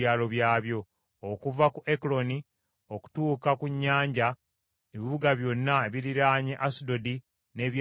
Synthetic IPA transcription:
aːlo̞βjaːβjo̞ː | kuvakuʔeklo̞ni | o̞ku̥tuːkakuɲːaːɲɟa | eβiβuɡaβjo̞nːaeβiɾiɾaɲeʔasido̞di | ne̞ːβj

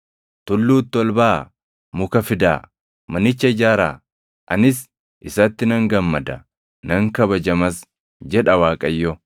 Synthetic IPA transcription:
t̪ʊlːuːt̪ːɔlbaː | mʊkɐfɪd̪a̰ː | mɐnɪt͡ʃːɐɪd͡ʒaːɾa̰ː | ʔɐnɪs | ʔɪsɐt̪ːɪnɐŋɡɐmːɐd̪ɐ | nɐŋkɐbɐd͡ʒɐmɐs | d͡ʒɛᶑɐwaːkʼɐjːɔ

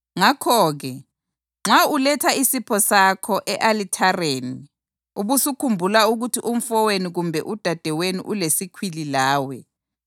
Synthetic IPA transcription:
ŋakʰɔɣɛ | ŋ͡ǁaulɛtʰaisipʰɔsakʰɔʔɛʔalitʰareːni | uβusukʰumbʱulauɣutʰiʔum̩fɔweniɣumbʱɛʔud̥ʱad̥ʱɛwenḭʔulesikʰwililaːwɛ

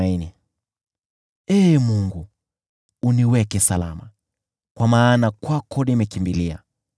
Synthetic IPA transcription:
ini | ɛmuŋɡuː | niwɛkɛsala̰ma | kwamaːnakwakʰɔnimɛkimbilia̰

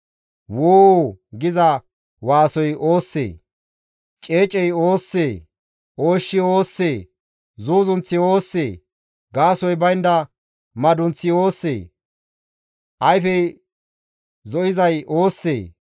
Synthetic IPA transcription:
woːɡɪzɐ | waːsɔjoːsːḛː | t͡ʃʼe̞ːt͡ʃʼɛjoːsːeː | oːʃːɪoːsːeː | zuːzʊnt͡sːɪoːsːeː | ɡaːsɔjbɐjnd̪ɐ | mɐd̪ʊnt͡sːɪoːsːḛː | ʔɐjfɛj | zɔʔɪzɐjʔoːsːḛː

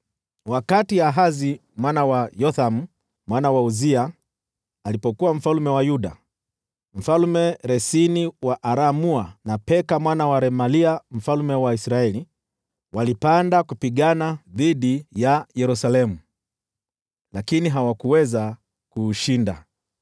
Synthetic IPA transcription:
wakatiaɦazi | mwanawajɔθamu | mwanawauzia | alipɔkuwam̩falumɛwajuɗa̰ | m̩falmɛɾɛsiniwaʔaɾamuanapɛkamwanawaɾɛmaliam̩falumɛwaisɾaɛli | walipandakupiɠanaðiɗijajɛɾusalɛmu | lakiniɦawakuwɛza | kuːʃinda̰

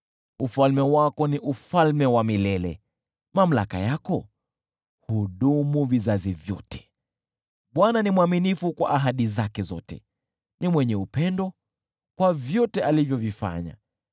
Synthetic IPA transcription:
ufalmɛwakɔniʔufalmɛwamilɛlɛ̰ | mam̩la̰ka̰jakɔ | huɗumuvizazivjɔ̰tʰɛ̥ | ɓwananimuaminifukwa̰ʔaɦaɗizakɛzɔ̰tɛ̰ | nimwɛɲɛupɛndɔ | kwavjɔtɛʔalivjɔvifa̰ɲa̰

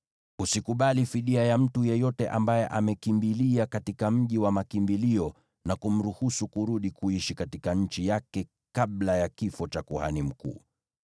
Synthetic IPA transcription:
usikuɓalifiɗiajam̩tujɛjɔtɛʔambajɛʔamɛkimbiliakatikam̩ʄiwamakimbiliɔ | nakum̩ɾuhusukuɾuɗikuiʃikatikaɲ̩t͡ʃijakɛ | kaɓlajakifɔt͡ʃakuha̰nim̩kṵː

